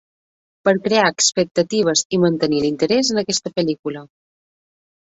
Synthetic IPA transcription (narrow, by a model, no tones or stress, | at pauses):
pəɾkɾeaəkspək̚t̪ət̪iβ̞əzimənt̪ənilint̪əɾɛzənəkɛst̪əpəlikulə